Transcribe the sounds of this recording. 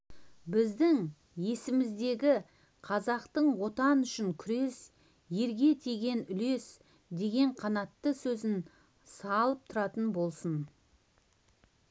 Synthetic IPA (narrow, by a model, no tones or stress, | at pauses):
bɪzd̪ɪŋ | je̞sɪmɪzd̪e̞ɡʲɪ | qʰɑzɑqt̪əɴwo̞t̪ɑnʏʃɪŋkʲʰʏɾe̞s | je̞ɾɡʲe̞t̪ʰeɡʲe̞nʏle̞s | d̪e̞ɡʲe̞ɴqʰɑnɑt̪ːəsɵzɪn | sɑlˠəp̚t̪ʰʊɾɑt̪ənbo̞lˠsən